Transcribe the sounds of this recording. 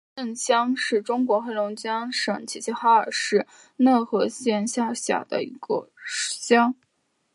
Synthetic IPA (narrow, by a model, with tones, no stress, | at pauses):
ə˥˩nɕjɑ˥ŋʂɻ̩˥˩ʈ͡ʂʊ˥ŋkwɔ˧˥xe˥˩ɪlʊ˧˥ŋt͡ɕjɑ˥ŋʂɤ˨˩ŋt͡ɕʰi˧˥˩t͡ɕʰi˥xa˥ə˞˨˩ʂɻ̩˥˧ | na˥˩xɤ˧˥ɕjɛ˥˧nɕja˥˩ɕja̰˨˩d̪ə̰˦ḭ˧˥ɡ̥ə̰˧ʂɕjɑ˥ŋ